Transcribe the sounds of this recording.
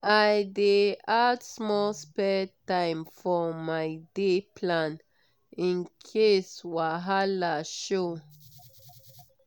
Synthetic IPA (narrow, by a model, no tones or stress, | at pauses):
aɪdeadsmɔlspɛtãɪ̃mfɔmaɪdepʰlãn | ĩnkʰeswaɦalaʃo